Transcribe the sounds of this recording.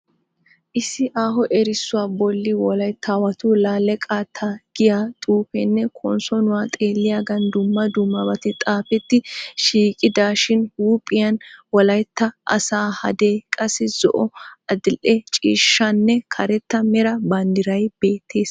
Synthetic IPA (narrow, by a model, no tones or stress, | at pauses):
ʔɪsɪʔaːɦɔʔɛɾɪsːʊwaːbɔlːɪwɔlɐjt̪ʰːaːwɐt̪ʊlaːlːɛkʼaːt̪ʰːɐɡ̥ɪjaːt̪ʼuːpɛnːɛkʰɔnsɔnʊwaːt̪ʼeːlːɪjaɡɐnd̪ʊmːɐd̪ʊmːɐbɐt̪ɪt̪ʼaːfɛt̪ːɪʃiːkʼɪd̪aːʃɪnhuːpʼɪjɐnwɔlɐjt̪ːɐʔɐ̰saːhɐ̰d̪eːkʼɐsɪzɔ̰ʔɔɐd̪ɪlʔɛt͡ʃʼiːʃːɐnːɛkʰɐɾɛt̪ːɐmɛɾɐbɐnd̪ɪɾɐjb̥e̞ːt̪ʰːeːs